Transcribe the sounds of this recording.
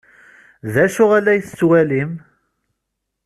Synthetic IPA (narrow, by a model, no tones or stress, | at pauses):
ðæʃʊʁælːæjθt͡sːwælim